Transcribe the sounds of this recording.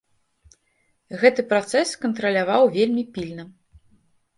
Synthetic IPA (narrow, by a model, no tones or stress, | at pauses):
ɣɛt̪ɨpɾat̪sɛskɐnt̪ɾɐlʲavawvʲelʲmʲipʲilʲnɐ